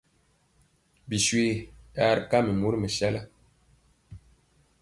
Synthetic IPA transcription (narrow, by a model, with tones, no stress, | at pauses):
bi˨swi˦ja˦˨ɾka˦mə˨mu˦ɾmə˨sa˦la˦